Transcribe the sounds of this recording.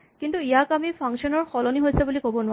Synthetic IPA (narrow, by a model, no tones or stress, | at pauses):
kintuijakamipʰaŋsiɔnɔɹxɔlɔniɦojsɛbulikobɔnʊwa